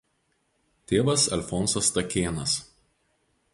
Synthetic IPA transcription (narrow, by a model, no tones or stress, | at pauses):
t̪ʲeːʋɐsɐ̰lʲfɔnsɐst̪ɐkʲeːnɐs